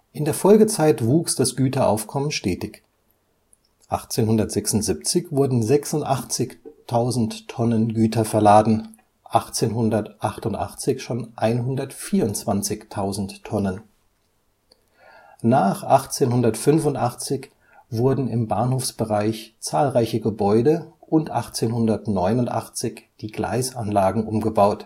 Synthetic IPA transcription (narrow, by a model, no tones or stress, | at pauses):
ʔɪndeːɐfɔlɡət͡saɪtv̥uːksd̥asɡ̥yːtɐʔa̰ʊfkʰɔmənʃtɛːtɪç | ʔa̰χt͡seːnhʊndɐtz̥ɛksʊntz̥ip̚t͡sɪçv̥ʊɐdn̩zɛksʊntʔaχt͡sɪçtʰaʊzn̩tʰːɔnənɡyːtɐfɛɐlaːdn̩ | ʔaχt͡seːnɦʊndɐtʔaχtʊntʔa̰χt͡sɪçʃoːnʔaɪnɦʊndɐtfiːɐʊnt͡sv̥ant͡sɪçtʰaʊzn̩tʰːɔnən | naːχʔaχt͡seːnhʊndɐtfʏnfʊntʔaχt͡sɪç | vʊɐdn̩ɪmbaːnhoːfsb̥əʁaɪçt͡saːlʁaɪçəɡəbɔʏdəʔʊntʔaχt͡seːnhʊndɐtnɔʏnʊntʔa̰χt͡sɪçd̥iːɡ̥la̰ɪsanlaːɡŋ̩ʔʊmɡəbaʊt